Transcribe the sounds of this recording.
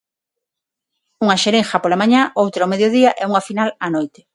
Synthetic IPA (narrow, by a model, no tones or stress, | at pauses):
uŋaʃeɾeŋxapolamaɲaowt̪ɾaomeðjoðiaʔɛuŋafinalanojt̪ɪ̥